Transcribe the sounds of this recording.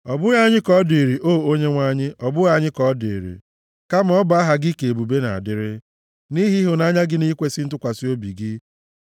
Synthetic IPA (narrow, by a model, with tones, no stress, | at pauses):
ɔ˨bʊ˦ɣa˦ɲɪ˦kɔ˦de˨ɾi˨ʔoː˦˨o˦ɲe˦ŋʷa˦ɲɪ˦ɔ˨bʊ˦ɣa˦ɲɪ˦kɔ˦dḛ˨ɾḭ˨ | ka˦m˨ɔ˦ba˨˦a˦ɦa˦ɡi˦ke˨e˨bu˨be˦na̰˨a̰˨dɪ˦ɾɪ˦ | ni˦ɦi˦ɦʊ˨na˦ɲa˦ɡɪ˦ni˦kʷe˦sɪ˦n̩˦tʊ˦kʷa˨si˦o˦bi˨ɡɪ˦